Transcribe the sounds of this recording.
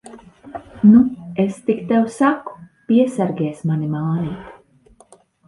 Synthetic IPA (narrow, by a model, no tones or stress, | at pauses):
nuest̪ikt̪ɛwsaku̥piɛsaɾɡʲɛɛsmanimaːniːt̪